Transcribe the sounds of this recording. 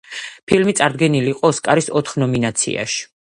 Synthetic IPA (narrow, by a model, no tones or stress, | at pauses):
pʰilmit̪sʼaɾd̪ɡɛniliːqʼɔskʼaɾisɔt̪ʰχnɔminat̪sʰḭa̰ʃi̥